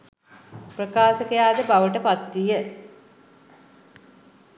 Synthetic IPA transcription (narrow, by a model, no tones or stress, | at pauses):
prəkaːsəkəjaːd̪əbaʋəʈəpat̪ːijə